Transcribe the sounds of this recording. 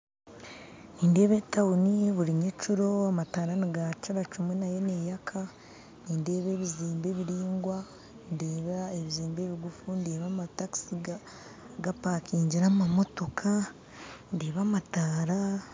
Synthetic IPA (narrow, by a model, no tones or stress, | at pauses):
niːnde̞ːβe̞tawunijeβuɾiɲet͡ʃuɾo̞amataːɾaniɡat͡ʃaɾat͡ʃumwenaje̞neːjakʰa | niːnde̞ːβe̞ːβiziːmbe̞ːβiɾiːŋɡwa | ndeːβaeβiziːmbeːβiɡufundeːβamataki̥si | ɡapaːkiːɲɟiɾamamo̞to̞kʰa | ndeːβamataːɾa